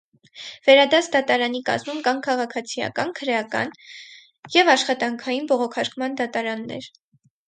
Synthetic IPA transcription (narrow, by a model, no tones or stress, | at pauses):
vɛɾɑd̪ɑt͡sʰd̪ɑt̪ɑɾɑnikɑ̰zmumkɑnkʰɑʁɑkʰɑt͡sʰijɑ̰kɑnkʰəɾɛjɑkɑ̰n | jɛvɑʃχɑt̪ɑŋkʰɑjinbɔʁɔkʰɑɾkʰmɑnd̪ɑt̪ɑɾɑnːɛ̰ɾ